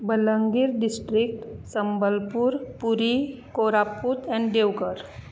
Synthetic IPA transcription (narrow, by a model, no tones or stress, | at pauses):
bələ̃ŋɡiɾɖɪsʈɾɪk̚ʈsə̃mbəlpuɾpuɾikoːɾaput̪ɛ̃ɳɖɖeɡəɾ